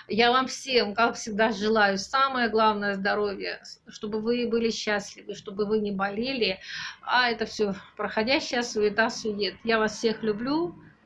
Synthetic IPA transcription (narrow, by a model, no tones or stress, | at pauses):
javamfsʲemkakfsʲɪɡ̚d̪aʐɨlˠajʊsaməjəɡlˠavnəjəzd̪ɐɾo̞vʲjə̰ʂt̪o̞bɨvɨbɨlʲɪɕːæsʲlʲɪvɨʂt̪o̞bɨvɨnʲɪbɐlʲelʲɪaɛt̪əfsʲopɾəxɐdʲæɕːɪjəsoɪt̪at̪sɨjʊjʲet̪javasfsʲe̞xlʲʊblʲu